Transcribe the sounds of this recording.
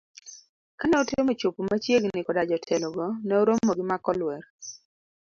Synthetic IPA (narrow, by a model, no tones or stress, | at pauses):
kanɛotɪomet͡ʃopmat͡ʃjeɡnɪkɔdad͡ʒɔtʰɛlɔɡɔnɛoɾomːɔɡɪmakɔlwɛɾ